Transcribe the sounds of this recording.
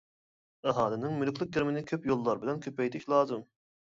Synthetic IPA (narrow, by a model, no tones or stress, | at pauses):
ɛɦɑːlɪnɪŋmylkʰʲlˠɨk̚ɡʲiɾmɪnɪkʲʰøpjolˠːɑɾbɪlɛnkʲʰøpɛjt̪ʰɪʃlˠɑːzɨm